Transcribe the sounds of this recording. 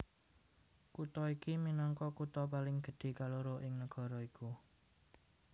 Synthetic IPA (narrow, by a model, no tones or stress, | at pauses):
kut̪ɔikiminɔŋkɔkut̪ɔpalɪŋɡ̥ə̤ɖ̪̥e̤kaloɾoʔɪŋnəɡ̥ɔ̤ɾɔiku